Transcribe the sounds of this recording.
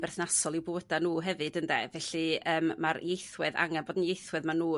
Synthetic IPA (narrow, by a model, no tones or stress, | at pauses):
bɛrθnasɔlˠɪwbowədanuːɦɛvɨdəndɛvɛɬɨəːmmaɾjejθwɨða̰ŋanboːdən̩jejθwɨðmanuː